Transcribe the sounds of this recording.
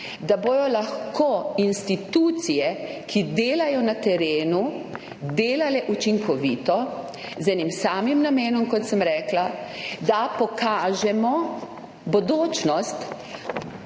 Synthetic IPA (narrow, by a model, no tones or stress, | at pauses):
d̪aboːj̪ɔlaxkoːinst̪it̪ut̪sijɛkʰid̪eːlajɔnat̪ɛɾeːnu | d̪eːlalɛʔut͡ʃiŋkɔʋiːt̪ɔ | zɛnimsaːmimnameːnɔmkɔt̪səmɾɛːklad̪apɔkaːʒɛmɔ | bod̪oːt͡ʃnɔst̪